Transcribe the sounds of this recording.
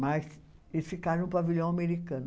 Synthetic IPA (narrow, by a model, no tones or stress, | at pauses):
mas | esfikaɾɐ̃ũpaviʎõw̃ameɾikɐ̃n